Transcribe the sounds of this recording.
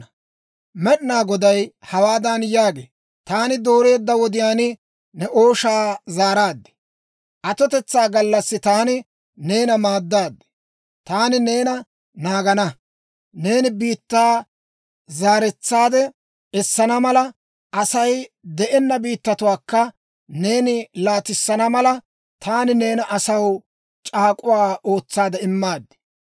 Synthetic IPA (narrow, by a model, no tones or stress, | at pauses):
mɛɗɪnaːɡɔd̪ɐjhɐwaːd̪ɐnjaːɡḛː | t̪aːnɪd̪o̞ːɾe̞ːd̪ːɐwɔd̪ɪjaːnɪ | nɛʔo̞ːʃaːzaːɾaːd̪ːɛ̥ | ʔɐt̪ɔt̪ɛt͡sːaːɡɐlːɐsːɪt̪aːnɪ | ne̞ːnɐmaːd̪ːaːd̪ːɛ̥ | t̪aːnɪneːnɐ | naːɡɐnɐ | ne̞ːnɪbiːt̪ːaː | zaːɾɛt͡sːaːd̪ɛ | ɛsːɐnɐmɐlɐ | ɐsɐjd̪ɛʔɛnːɐbiːt̪ːɐt̪ʊwaːkːɐ | ne̞ːnɪlaːt̪ɪsːɐnɐmɐlɐ | t̪ʰaːnɪne̞ːnɐʔɐsɐw | t͡ʃʼaːkʼʊwaːʔo̞ːt͡sːaːd̪ɛɪmːaːd̪ːɛ̥